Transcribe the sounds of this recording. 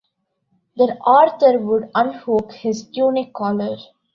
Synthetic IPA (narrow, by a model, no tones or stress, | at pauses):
d̪əɾʔaːɾt̪ʰəɾʋʊɖʌ̃nhoːkhɪzʈjuːnɪkʰːɔːləɾ